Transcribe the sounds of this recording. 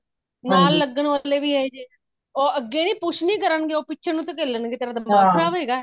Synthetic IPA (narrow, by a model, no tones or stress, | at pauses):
naːlːəɡəɳʋəleːʋiːɦeːd͡ʒeː | oːəɡːeːnĩːpʊt͡ʃʰnĩːkəɾəɳɡeːoːpɪtːʃʰeːnũːt̪õːk̬eːlənɡeːt̪eːɾãːd̪amaːɾaːʋeːɡaː